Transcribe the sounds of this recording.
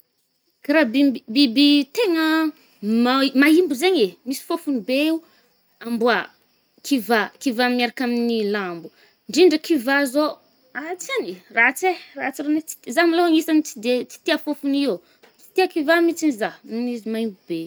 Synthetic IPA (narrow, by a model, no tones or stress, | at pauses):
kaɾabibibit̪eŋə | mamaimbuzeɲemisi̥fofunibeiu | ambua | kʰivakivameɾakaminilambu | ɳɖ͡ʐiɳɖ͡ʐəkivazo | at͡sanirat͡serat͡siɾenet͡si̥t̪izamiloaŋisanit͡sid̪et͡si̥t̪iafofuniw | t͡si̥t̪iakivamit͡sinizaninizimaimbube